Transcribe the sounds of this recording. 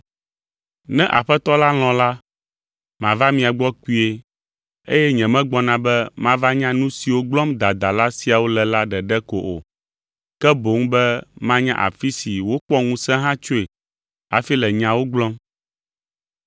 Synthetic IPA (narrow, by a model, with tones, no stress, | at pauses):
nɛ̃˦ʔa̰˨ɸɛ˦t̪ɔ˦la˦l̃ɔ̃˨la˦ | mã˨va˦mĩ˨a˨ɡ͡bɔ˦ki˦e˨ | ḛ˦jɛ˦ɲɛ̃˨mɛ̃˦ɡ͡bɔ˦nã˨bɛ˦mã˦va˦ɲã˦nũ˦si˨wo˦ɡ͡blɔ̃˦md̪a˨d̪a˨la˦si˦a˨wo˦lɛ˨la˦ɖɛ˨ɖɛ˦ko˨ʔo̰˨ | kɛ˦bo˨ŋ̩˦bɛ˦mã˦ɲã̰˦ʔa̰˨fi˦si˨wo˦k͡pɔ˦ŋũ˦sɛ̃˦ɦã˦t͡ʃo˦e˨ | a̰˨fi˦lɛ˨ɲã˦wo˦ɡ͡blɔ̃˦m